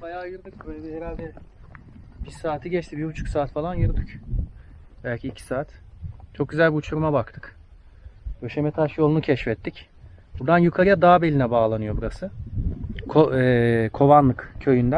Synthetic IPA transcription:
bajaːjɯɾd̪ɯkvɛheɾalʲd̪ɛ | b̥iɾsaːt̪ʰiɟɛt͡ʃt̪ʰibibut͡ʃʰu̥ksaːt̪falˠanjɯɾd̪ɯc | bælʲcʰiːcʰi̥saːt̪t͡ʃʰo̞k̚ɟyzælʲbiut͡ʃʰuɾumabakt̪ʰɯ̥k | øʃemɛt̪ʰaʃjolˠunucʰɛʃfɛt̪ːic | buɾd̪anjukʰaɾɯjad̪aːbelʲinɛbaːlˠanɯjo̞buɾasɯ | kʰoɛkʰo̞vanlˠɯkcʰø̞jynd̪æn

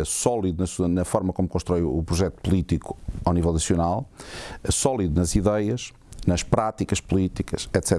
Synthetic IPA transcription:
sɔlˠiðunɐsuɐnɐfɔɾmɐkomkõʃt̪ɾɔjuupɾuʒɛt̪upulˠit̪iku̥awnivɛlˠnɐsjunalˠ | sɔlˠiðunɐziðejɐʃ | nɐʃpɾat̪ikɐʃpulˠit̪ikɐʃɛt̪sɛ

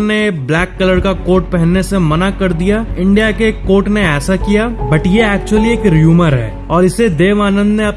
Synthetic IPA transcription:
neblɛːkːɐləɾkakoːɾʈ̚pɛɦɛ̃nːesemɐnakɐɾd̪ijaɪ̃ɳɖijakekoːɾʈneɛːsakijabɐʈjeɛːk̚t͡ʃuwəlieːkɾjuːməɾɦɛ̰ː | ɔːɾɪsed̪eːʋaːnə̃nd̪neɐp

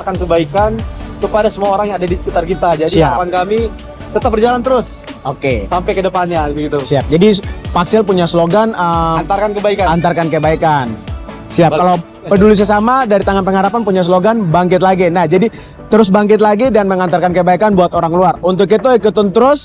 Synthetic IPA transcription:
arkankəbaikant̪upadasəmuaoɾaŋjaadadisə̥kit̪arkit̪ad͡ʒadiiaapankami | t̪ət̪ap̚bəd͡ʒalant̪əɾʊs | okesampɛkədəpanɲabɡit̪usiap̚d͡ʒadipaksɪlpuɲasloɡanəant̪arkankəbaikaant̪arkankəbaikan | siapkalaw | pədulis̬asamadaɾit̪aŋanpəŋɦaɾapanpuɲas̬loɡanbaŋkɪt̪̚laɡinahd͡ʒadi | t̪əɾʊs̬baŋkɪt̪̬̚laɡidanməŋant̪arkankəbaikanbuat̪oɾaŋkluarunt̪ʊk̬ːɛt̪oɛkut̪ʊnt̪əɾʊs

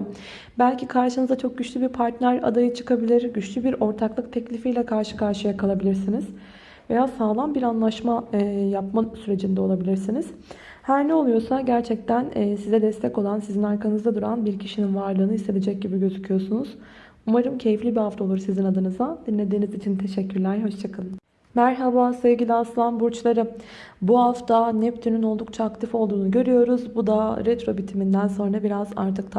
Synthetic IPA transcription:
bælʲcʰikʰaɾʃɯnɯzat͡ʃʰo̞k̚ɟyt͡ʃlʲybiɾpʰaɾt̪nʲæɾa̰d̪ajɯt͡ʃʰɯ̥kʰabilʲiɾɟyt͡ʃlʲybiɾo̞ɾt̪ʰaklˠɯk̚t̪ʰɛclʲifijlʲɛkʰaɾʃɯ̥kʰaɾʃɯjakʰalˠabilʲiɾsiniz̥ | ve̞jaːsaːlˠanbiɾanlˠaʃmajap̚masyɾe̞d͡ʒind̪ɛo̞lˠabilʲiɾsiniz̥ | hæɾnɛo̞lˠujo̞saɟæɾt͡ʃʰɛc̚t̪ʰænːsizɛd̪ɛst̪ʰɛco̞lˠansizinaɾkanɯzd̪ad̪uɾanbiɾcʰiʃininvaɾlˠɯːnɯise̞d̪ed͡ʒɛc̚ɟibiɟø̞zycʰyjo̞sunuz̥ | umaɾɯmcʰe̞jiflʲibihaft̪aolˠuɾsizinad̪ɯnɯzad̪̥inlʲe̞d̪iːnizit͡ʃʰint̪ʰe̞ʃɛcʰːyɾlʲæɾɦo̞ʃt͡ʃʰakʰalˠ | mæɾɦabasevɟilʲiaslˠanbuɾt͡ʃlˠaɾɯ | buɦaft̪ʰanɛpt̪ʰynyno̞lˠd̪uk̚t͡ʃʰaːkt̪ʰifo̞lˠd̪uːnuɟø̞ɾyjo̞ɾuzbud̪aɾɛt̪ɾo̞bit̪ʰimind̪ænso̞nɾabiɾaza̰ɾt̪ʰɯk̚t̪ʰ

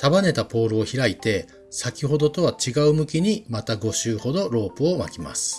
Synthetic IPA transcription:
t̪abane̞t̪apo̞ːɾɯ̟o̞çiɾait̪e̞ | sakʲiɦo̞d̪o̞t̪o̞βat͡ɕiɡaɯ̟mɯ̟kʲiɲ̟imat̪aɡo̞ɕɨːho̞d̪o̞ɾo̞ːpɯ̟oma̰kʲima̰sɨ̥

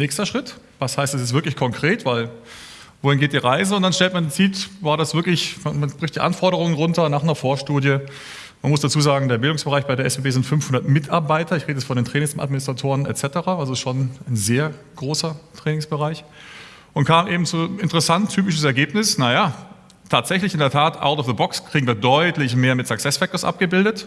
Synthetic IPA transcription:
nɛːçstɐʃʁ̥ɪtvashaɪstd̥ɛsɪstvɪɐklɪçkʰɔŋkʁ̥eːtv̥aɪl | voːhɪnɡeːt̚d̥iːʁaɪzəʊnd̥anʃtɛltmandent͡siːtvaːɐɾasv̥ɪɐklɪçmamanb̥ʁɪçtd̥iːʔa̰nfɔɐɾəʁʊŋənʁʊntɐnaːχnɐfoːɐʃtuːdjə | manmʊsd̥at͡suːzaːɡŋ̩deːɐbɪldʊŋsb̥əʁaɪçb̥aɪɾeɐʔɛseːbeːzɪntfʏnfhʊndɐtmɪtʰa̰ɐbaɪtɐɪçʁeːdəɛsfɔndeːntʁ̥ɛːnɪŋsa̰tmɪnɪstʁ̥atʰoːʁənɛ̰tt͡sɛtəʁaːalzoɪstʃonaɪnzeːɐ | ɡ̥ʁoːsɐtʁ̥ɛːnɪŋsb̥əʁaɪç | ʔʊntkʰaːmʔeːbm̩t͡suɪntəʁɛsantʰːyːpɪʃn̩sɛɐɡeːpnɪsnajaː | tʰaːtz̥ɛçlɪçʔɪndeɐtʰaːtʔa̰ʊtɔfðəbɔkskʁ̥iːɡŋ̩viːɐdɔʏtlɪçmeːɐmɪtz̥aksɛsfɛk̚toɐsʔa̰p̚ɡ̥əbɪldət

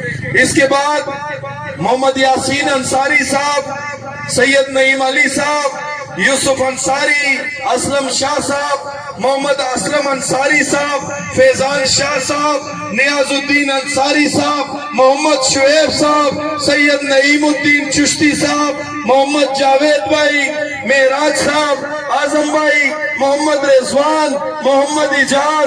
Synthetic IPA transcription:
ɪskebaːd̪ | mʊɦəmːəd̪jaːsiːnɐnsaːɾisaːb | sɐjːəd̪nɐiːmɐlisaːb | juːsʊfɐnsaːɾiɐsləmʃaːɦsaːb | mʊɦəmːəd̪ɐsɾəmɐnsaːɾisaːb | feːzaːnʃaːɦsaːb | nijaːzʊd̪ːiːnɐnsaːɾiːsaːb | mʊɦɐmːɐd̪ʃʊeːbsaːbsɐjːɐd̪nɐiːmʊd̪ːiːnt͡ʃʊʃt̪iːsaːb | mʊɦɐmːɐd̪̚d͡ʒaːʋeːd̪̚baːiː | meɦɾaːd͡ʒsaːb | aːzɐmbaːiːmʊɦɐmːɐd̪ɾezʋaːn | mʊɦɐmːɐd̪ɪd͡ʒaːz

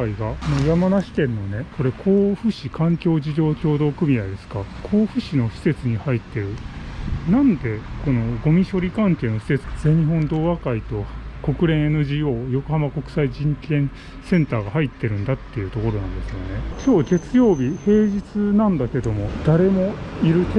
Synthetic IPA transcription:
aiɡanojamanaɕi̥kẽ̞nːo̞ne̞ko̞ɾe̞kʰo̞ːɸɯ̟ɕikãŋkʲo̞ːʑiʑo̞ːkʲo̞ːd̪o̞ːkɯ̟mʲiaid̪esɨ̥kakʰoːɸɯ̟ɕino̞ɕi̥se̞t͡sɨɲ̟ihait̪ːe̞ɾɯ̟nãnd̪e̞ko̞no̞ɡo̞mʲiɕo̞ɾʲikãŋke̞ːno̞ɕi̥se̞t͡sɨ̥ad͡ze̞ɲ̟iɦõ̞nd̪o̞ːβakait̪o̞ko̞kɯ̟ɾẽ̞ɰ̃enɯ̟ʑiːo̞ːjo̞ko̞hamako̞kɯ̟̥saiʑĩŋkẽ̞ɰ̃ | sẽ̞nt̪aːɡahait̪ːe̞ɾɯ̟̃nd̪at̪ːe̞jɯ̟ːt̪o̞ko̞ɾo̞nãnd̪e̞sɨjone̞t͡ɕo̞ːɡe̞t͡sɨjo̞ːbʲihe̞ːʑit͡sɨnãnd̪ake̞d̪o̞mo̞d̪̥aɾe̞mo̞iɾɯ̟ke

